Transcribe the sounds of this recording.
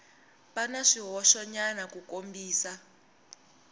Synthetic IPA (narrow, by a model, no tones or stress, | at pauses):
panaʂiɦɔʃɔɲanakukombiːsa